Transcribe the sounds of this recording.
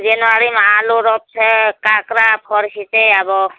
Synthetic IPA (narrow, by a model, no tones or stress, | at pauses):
zɛnɔaɾimaluɾɔp̚sʰɛkakɾapʰɔɾkiteabɔ